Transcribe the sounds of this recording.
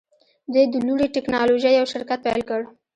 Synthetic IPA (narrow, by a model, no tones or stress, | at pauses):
d̪ed̪əluɽiʈɪknɑloʒajawʃɪɾkat̪̚pajlkəɽ